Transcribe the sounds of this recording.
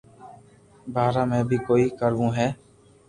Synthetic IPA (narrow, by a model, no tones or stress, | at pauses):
baːɾaːmẽːbʱiːkoːiːkəɾʋũːɦɛː